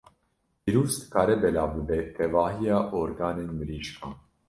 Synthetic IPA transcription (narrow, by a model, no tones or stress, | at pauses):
iɾuːst̪ɨ̥kʰaːɾɛbɛlaːbɨbɛt̪ʰɛvɑːɦijaːʔoːɾɡaːneːnmɨɾiːʃkʰɑ̃ːn